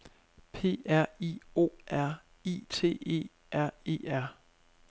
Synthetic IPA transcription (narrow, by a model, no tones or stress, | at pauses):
pʰe̝̰ːæɐ̰io̝̰ʔæɐ̰ | ḭt͡sʰe̝̰ːe̝̰ː | æɐ̰e̝̰ːæɐ̰